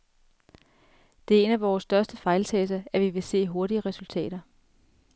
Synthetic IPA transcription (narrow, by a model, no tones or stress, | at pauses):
d̥e̝e̝næʋɒːsːd̥ɶɐsd̥əfɑ̈ɪlt͡sʰɛːs̬ɐæʋiʋe̝se̝̰ːɦo̝ɐɾiəʁɛsult͡sʰɛ̰ːɾ̥ɐ